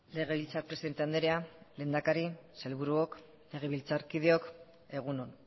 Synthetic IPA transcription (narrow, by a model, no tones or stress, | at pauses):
le̞ɣe̞βilt͡saɾpɾesiðt̪e̞and̪eɾeale̞ːnd̪akaɾise̞lβuɾuok | le̞ɣ̞e̞βilt͡saɾkið̞eo̞k | e̞ɣ̞unon